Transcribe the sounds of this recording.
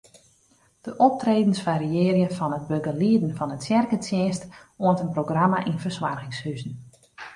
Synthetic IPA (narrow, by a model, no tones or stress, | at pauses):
d̥əʔɔp̚treːdən̩sfaɾiɪərjəfɑnət̚bøɡəliədn̩fɑnətsjɛrkətjɛːstoəntənproɡramaʔinfərswarɣɪŋshyzn̩